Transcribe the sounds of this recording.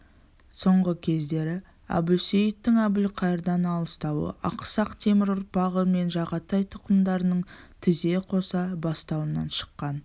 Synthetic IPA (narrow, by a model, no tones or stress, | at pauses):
so̞ɴʁəkʲʰe̞zd̪e̞ɾɪ | æ̰bʊsejɪt̪ːɪŋæbɪlqʰɑjəɾd̪ɑnɑlˠəst̪ɑwə̰ʔɑ̰qsɑqt̪ʰe̞mɪɾʊɾ̚pɑʁəme̞nʒɑʁɑt̪ɑjt̪ʰʊ̥qəmd̪ɑɾənəɴt̪ʰɪze̞qʰo̞sɑbɑst̪ɑwənɑ̰nʃə̥qːɑn